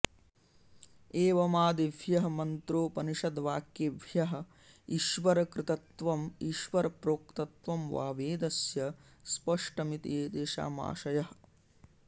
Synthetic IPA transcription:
eːʋɐmaːd̪eʋʱjɐɦɐ̆mɐnt̪ɾoːpɐniʂɐd̪ʋaːkjeʋʱjɐɦɐ̆ | iʃʋɐɾɐkɾɪt̪ɐt̪ʋɐmiʃʋɐɾɐpɾoːk̚t̪ɐt̪ʋɐmʋa̰ːʋeːd̪ɐsjɐspɐʂʈɐmit̪eːd̪eːʃa̰ːma̰ːʃɐjɐɦɐ

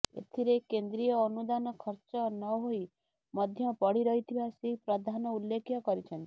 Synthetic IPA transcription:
ḛt̪ʰiɾekend̪ɾijɔːnud̪anɔkʰɔɾt͡ʃɔnɔɦoi | mɔd̪ʱjɔpɔɽiɾɔɦit̪ʰibasepɾɔd̪ʱanɔulːekʰjɔkɔɾit͡ʃʰɔnt̪i̥

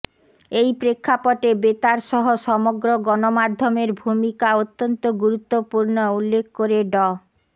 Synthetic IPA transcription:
ejpɾekʰːapoʈebet̪aɾʃɔɦoʃɔmoɡɾoɡɔnomad̪ʱːomeɾbʱumikaot̪ːont̪oɡuɾut̪ːopuɾnoulːekʰkoɾeɖɔ

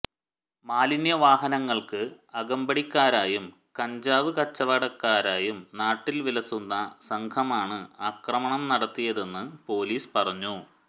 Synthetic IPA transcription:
maːlinjɐʋaːɦɐnɐŋːɐɭkɨ | ɐɡɐmbɐɽikʲːaːɾaːjum | kɐɲd͡ʑaːʋɨkɐt͡ɕːɐʋɐɽɐkːaːɾaːjumnaːʈːilʋilɐsunːɐsɐŋkʰɐmaːɳɨɐkrɐmɐɳɐmnɐɽɐt̪ːijɐðe̞nːɨpo̞ːliːspɐrɐɲːu

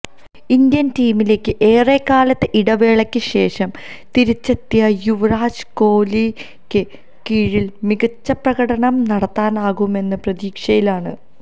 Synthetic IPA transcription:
ind̪jɐntiːmile̞ːkːɨʔeːrekːaːlɐt̪ːeʔiɽɐʋe̞ːɭɐkʲːɨɕe̞ːʂɐm | t̪iɾit͡ɕːɐt̪ːjɐjuʋɐraːɕko̞ːli | kʲːɨ | kiːɻilmiɣɐt͡ɕːɐprɐɣɐɽɐɳɐmnɐɽɐt̪ːaːnaːɣume̞nːɨprɐðiːkʂɐjilaːɳɨ

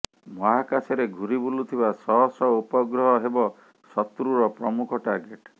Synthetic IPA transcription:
mɔɦakasɔɾeɡʱuɾibulut̪ʰibasɔɦɔsɔupɔɡɾɔɦɔɦebɔ | sɔt̪ɾuɾɔpɾɔmukʰɔʈaɾɡeʈ

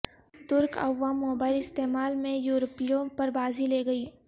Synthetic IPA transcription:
t̪ʊɾkɐ̰ʋːaːmːoːbaːɪlɪst̪eːmaːlmẽjuːɾəpijõpɐɾbaːzileːɡɐiː

